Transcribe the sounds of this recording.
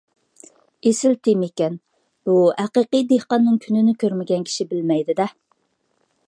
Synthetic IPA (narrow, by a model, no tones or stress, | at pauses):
esɪlt̪ʰɪmekʲɛn | b̥uhæqəqəjd̪ehqɑnːɨŋkʲʰynɪnɪkʲøɾmɪɡʲɛnkʲʰi̥ʃibɪlmɛjd̪ɪd̪ɛ